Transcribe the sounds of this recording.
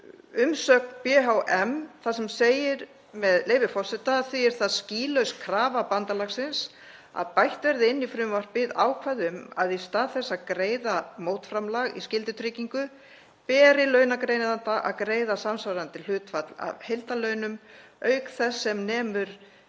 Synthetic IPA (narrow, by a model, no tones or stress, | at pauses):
ʏmsœk̚npɛːɦawʔɛmθasɛmseːjɪɾ | mɛðleːjvɪɾfɔr̥sɛt̪aθiɛɾ̥θaðsciːlœɥskʰɾaːvapant̪alaɣsɪns | a̰ðpajht̪vɛɾðɪɪnːifɾʏːmvar̥pɪða̰ːwkʰvaðʏmaðist̪aːðθɛsːakɾeːjðamoːwt̪fɾamlaɣḭscɪlt̪ɪt̪ʰɾɪciŋkʏ | pɛːɾɪlœːɥnakɾejnɪðant̪aʔa̰ðkɾeːjðasamsawɾant̪ɪl̥ʏːt̪fat̪la̰vhejlt̪alœɥnʏm | œɥkθɛsːɛmnɛːmʏɾ̥